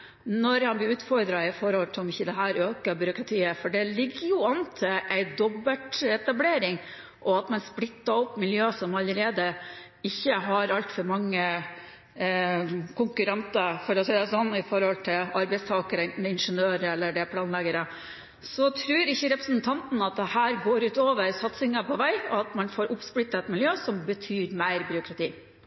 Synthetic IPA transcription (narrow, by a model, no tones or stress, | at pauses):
nɔɾhɑnblɪɾʉːt̪fɔɾd̪ɾɑɪfɔɾhɔlt̪ʰɪɔmɪçːəd̪ɛɦæːɾøːkɑbʏɾʊkɾɑt̪ʰiːəfɔɖɛlɪɡːəjʊɑnt̪ʰɪʔæɪd̪ɔbːət̪ɛt̪ɑbleːɾɪŋ | ʔɔɑt̪mɛnsplɪt̪ːɑɔpːmɪljøːsɔmɑlːəɾeːd̪ə | ɪçːəɦɑɾɑlt̪fɔɾmɑŋːə | kʊŋkʉɾɛnt̪ɑfɔɾɔsɛɪd̪ɑsɔnːɪfɔɾhɔlt̪ʰɪlɑɾbæɪst̪ʰɑːkəɾəɛnt̪n̩d̪ɛɪnʂənøːɾəɛlːəɖɛpʰlɑːnlɛɡəɾə | sɔt̪ʰɾʉːɾɪçːəɾɛpɾəsn̩t̪ʰɑnt̪n̩ɑt̪̚d̪ɛhæːɾɡoːɾʉːt̪oːʋəɾsɑt̪sɪŋɑpʰɔʋæɪɔɑt̪mɑnfoːɾʔʊpsplɪt̪ːɑɛt̪mɪljøːsɔmbət̪ʰyːɾmæɪɾbʏɾʊkɾɑt̪ʰḭː